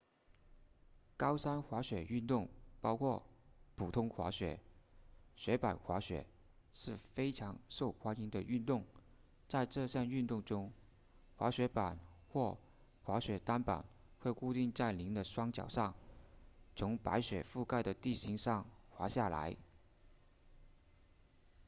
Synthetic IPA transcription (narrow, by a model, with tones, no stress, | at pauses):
kɑ˥ʊʂa˥nxwa˧˥ɕɥɛ˨˩y˥˧nt̪ʊ˥˩ŋpɑ˥ʊkʰwɔ˥˩pʰu˨˩t̪ʰʊ˥ŋxwa̰˧˥ɕɥɛ̰˨˩˦ | ɕɥɛ˧˥pa̰˨˩nxwa˧˥ɕɥɛ̰˨˩˦ | ʂɻ̩˥˩fe˥ɪʈ͡ʂʰɑ˧˥ŋʂo˥˩ʊxwa˥ni˥nd̪ə˧y˥˧nt̪ʊ˥˩ŋ | t͡sa˥˧ɪʈ͡ʂɤ˥˧ɕja˥˧ny˥˧nt̪ʊ˥˩ŋʈ͡ʂʊ˥ŋ | xwa˧˥ɕɥɛ˧˥pa˨˩nxwɔ˥˩ | xwa˧˥ɕɥɛ˧˥t̪a˥npa̰˨˩n | xwe˥˧ɪku˥˧t̪i˥˧ŋt͡sa˥˩ɪli˧˥ŋd̪ə˧ʂwɑ˥ŋt͡ɕjɑ̰˨˩ʊʂɑ˥˩ŋ | t͡sʰʊ˧˥ŋpa̰˧˥ɪɕɥɛ̰˨˩fu˥˧ka˥˩ɪd̪ə˩t̪i˥˩ɕi˧˥ŋʂɑ˥˩ŋxwa˧˥ɕja˥˩la̰˧˥ɪ